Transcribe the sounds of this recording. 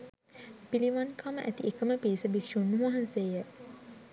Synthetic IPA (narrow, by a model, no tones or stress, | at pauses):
piliʋankʰaməʔæt̪iʔekəməpiːsəbikʂunːuʋaɦansejə